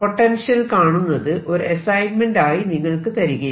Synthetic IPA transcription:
po̞ʈːɐnʂjɐlkaːɳunːɐðɨʔo̞ɾɨɐsɐjnmenɖaːjiniŋːɐɭkɨt̪ɐɾiɣɐj

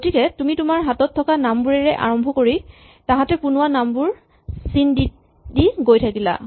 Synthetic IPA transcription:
ɡotikɛtumitumaɹɦatɔtʰːɔkanambuɹɛɹɛʔa̰ɹɔmbʱɔkoɹi | taɦatɛpunʊwanambuɹ | sindi | diɡojtʰakila̰

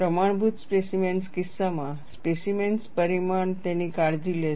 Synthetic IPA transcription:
pɾəmaɳ̃bʱut̪spesimenskisːamã | spesimenspəɾimaɳt̪ɛ̃nikaɽd̪ile

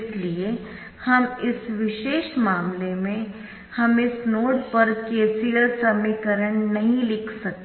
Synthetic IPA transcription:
slie | hɐmɪsʋɪʃeːʃmaːmlemẽ | hɐmɪsnoːɽpɐɾkeːsijəlsɐmikəɾəɳ̃nɐɦĩlɪkʰsɐk̚t̪ː

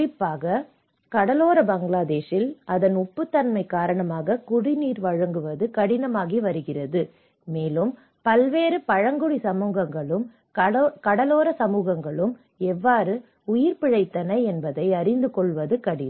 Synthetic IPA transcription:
ɪpːaːɣɐ | kɐɽɐloːɾɐbɐŋɡlaːðeːʂɪlɐðɐnʊpːɯt̪ːɐnmɐɪkaːɾɐɳɐmaːɣɐkʊɽɪniːɾʋɐɻɐŋɡɯʋɐðɯkɐɽɪnɐmaːɣiʋɐɾɯɣɪrɐðɯ | meːlɯm | pɐlʋeːɾɯpɐɻɐŋɡɯɽisɐmuːɣɐŋɡɐɭɯm | kɐɽɐloːɾɐsɐmuːɣɐŋɡɐɭɯm | ɛʋːaːɾɯ | ʊjɪɾpɪɻɐɪt̪ːɐnɐɪɛnbɐðɐɪɐɾɪnd̪ɯkɔɭʋɐðɯkɐɽɪn

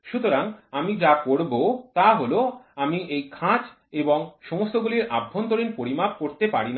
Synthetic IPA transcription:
ʃut̪oɾaŋamid͡ʑakoɾbot̪aɦoloamiʔejkʰãd͡ʑ | eboŋʃɔmost̪oɡuliɾʔabʱːont̪oɾinpoɾimab̚koɾt̪epaɾina

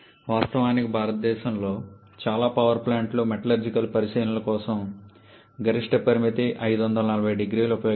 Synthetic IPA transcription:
ʋaːst̪ɐʋaːnikibʱaːɾɐt̪̚d̪ɛːʃɐmlo̞ː | t͡ʃaːlaːpɐʋɐɾplaːɳʈloːmɛʈɐlɐɾd͡ʒikɐlpɐɾisɐjɐnulɐkɔːsɐm | ɡɐɾiʂʈɐpɐɾimit̪iʔɐjd̪uʋɐnd̪ɐlɐnɐlɐbʱɐjɖiɡɾiːluupɐjoː

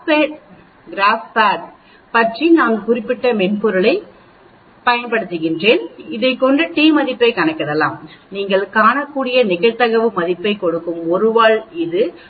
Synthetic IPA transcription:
peːʈ̚ | ɡɾaːspaːʈ | pɐʈrinaːŋkʊrɪpːɪʈːɐmɛnpɔɾɯɭɐɪ | pɐjɐnpɐɽɯt̪ːɯɣɪndreːnɪðɐɪkːɔɳɖɯʈiːmɐðɪpːɐɪkɐɳɐɪkːɐðɐlːaːmniːŋɡɐɭkaːɳɐkːuːɽɪjɐnɪɣɐɻt̪ɐɣɐʋɯmɐðɪpːɐɪkɔɽɯkːɯmɔɾɯʋaːɭɪðɯ

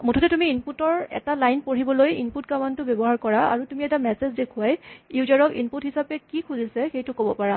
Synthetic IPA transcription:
mutʰɔtɛtumiinputɔɹɛ̰talajnpoɹibɔlojḭnput̚kamantʊbebɔɦaɹkɔɹaa̰ɹutumiɛtamɛsezdekʰuajjuzaɹɔkḭnputɦisapɛkikʰuzisɛxejtʊkobɔpaɹa

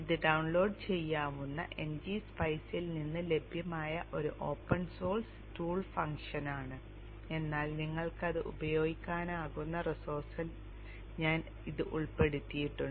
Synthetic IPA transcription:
iðɨɖɐwɳlo̞ːɖt͡ɕe̞jːaːmunːɐ̰ʔe̞nd͡ʑiːspɐjsilninːɨle̞bʱjɐmaːjɐʔo̞ɾuʔo̞ːpːɐnso̞ːls | tuːɭfɐŋkʂɐnaːɳɨ | e̞nːaːlniŋːɐɭkɐðɨʔṵbɐjo̞ːɡikʲːaːnaːɣunːɐrisoːrsɐl | ɲaːn | iðɨʔuɭpe̞ɽut̪ːijiʈːuɳɖ

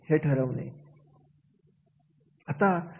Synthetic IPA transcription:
heʈʰəɾəʋnḛ | at̪a

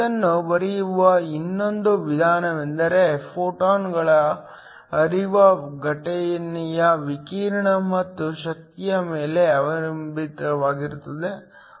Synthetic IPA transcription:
ɐnːubɐɾijuʋɐinːo̞nd̪uʋid̪ʱaːnɐʋɛnd̪ɐɾe̞pʰoːʈaːnɡɐɭɐ | ɐɾiʋɐɡɐʈɛjɐnijɐʋikiːɾɐɳɐmɐt̪ːuʃɐk̚t̪ijɐmeːle̞ɐʋɐɾɐmbiʈɐʋaːɡiɾut̪ːɐd̪e̞

